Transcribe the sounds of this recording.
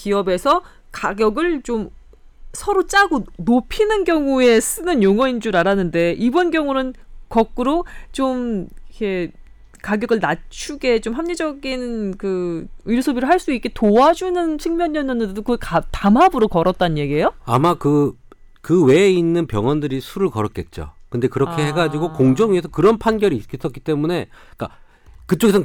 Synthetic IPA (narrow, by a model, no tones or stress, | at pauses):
kiʌbe̞sʰʌ | kaɡjʌɡɯɭt͡ɕom | sʰʌɾot͡ɕ͈aɡonopʰinɯnɡjʌŋue̞s͈ɯnɯnjoŋʌind͡ʑuɾaɾanɯnde̞ʔibʌnɡjʌŋunɯnkʌk̚k͈ɯɾot͡ɕomikʰe̞ | kaɡjʌɡɯɭnat͡ɕʰuɡe̞t͡ɕomɦamɲed͡ʑʌɡinkɯɯɾsʰobiɾɯɭɦaɭs͈uik͈e̞toad͡ʑunɯnt͡ɕʰeŋmjʌɲːʌnɯnɯdedokɯktamɦabɯɾokʌɾʌt̚t͈anɲjeɡie̞joamakɯ | kɯwe̞ːinːɯnpjʌŋʌndɯɾisʰuɾɯɭkʌɾʌk͈e̞̰t̚t͡ɕ͈o̰kɯnde̞kɯɾʌkʰe̞he̞ɡad͡ʑiɡokoŋd͡ʑʌŋiesʰʌkɯɾʌnpʰanɡjʌɾiːk͈is͈ʌk͈it͈e̞mune̞k͈a̰ | kɯt͡ɕ͈oɡesʰʌ